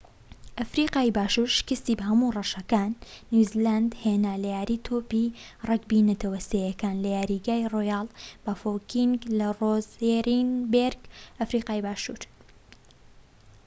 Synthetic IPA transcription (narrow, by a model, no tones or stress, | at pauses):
ʔɐfɾiːqaːibaːʃuːɾʃɪ̥kɨst̪iːbɐhɐmurɐʃɐkaːnːuziland̪henaːlɐjaːɾiːt̪ʰoːpirɐkbinɐt̪ʰɐwɐsejɐkaːnlɐjaːɾiɡaːjroːjaːlˠb̥ɐfokiŋɡlɐrozeɾinbeɾɡɐfɾiːqaːibaːʃṵːɾ